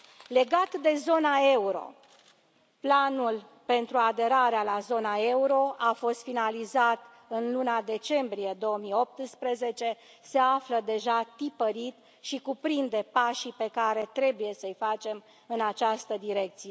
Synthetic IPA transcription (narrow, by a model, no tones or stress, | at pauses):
le̞ɡat̪d̪e̞zo̞nae̞uɾo̞̰ | planul | pe̞nt̪ɾuad̪e̞ɾaɾealazo̞nae̞uɾo̞ʔafo̞st̪finalizat̪ | ɨnlunad̪e̞t͡ʃe̞mbɾije̞d̪o̞əmio̞p̚t̪ɨspɾeze̞t͡ʃe̞ | se̞afləd̪e̞ʒat̪ipəɾit̪ | ʃikupɾind̪e̞paʃipe̞kaɾe̞t̪ɾe̞buje̞səɨjfat͡ʃe̞m | ɨnat͡ʃast̪əd̪iɾe̞k̚t̪sije